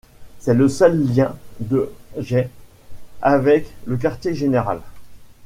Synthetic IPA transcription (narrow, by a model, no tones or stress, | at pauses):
sɛləsœlːjɛ̃d̪əʒɛ | avɛklək̬aʁt̪jeʒeneʁa̰l